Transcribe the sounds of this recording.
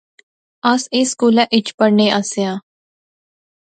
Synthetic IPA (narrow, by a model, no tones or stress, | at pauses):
ɐseskuːlãʔɪt͡ʃpəɾneʔasja